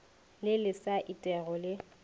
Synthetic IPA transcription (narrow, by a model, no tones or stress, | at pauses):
lɪlɪsaʔitʼɛɣɔlɪ